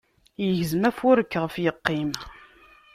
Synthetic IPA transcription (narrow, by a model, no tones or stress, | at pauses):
jəʝzmæfʊɾəkːʁəfjəqːim